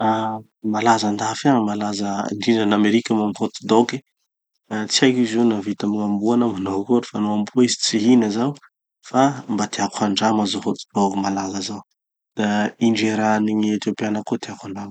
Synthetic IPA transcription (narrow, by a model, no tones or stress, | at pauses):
a | malazand̪afaŋəmalazəɳɖ͡ʐiɖ͡ʐanameɾikʲəmamiɦot͡s̪id̪oke | t͡siajkizenavit̪amiŋambuanəmanokoɾifanuambuizit͡siɦinəzaw | fambat̪iakʷʰaɳɖ͡ʐamazoɦot͡s̪i̥d̪okmalazəzaw | d̪̥aiɳɖ͡ʐeɾaniɲiet̪opianəkot̪iakaɳɖ͡ʐam